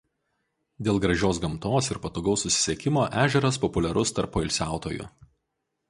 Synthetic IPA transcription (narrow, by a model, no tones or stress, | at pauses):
d̪ʲeːlˠɡɾɐʒʲoːsɡɐmt̪oːsɪɾpɐt̪oːɡɐʊsʊsʲɪ̥sʲɛkʲɪmoːʔæːʒʲɛɾɐspɔpʊlʲɛɾʊst̪ɐɾpoːɪlʲsʲæˑʊt̪oːjʊ̰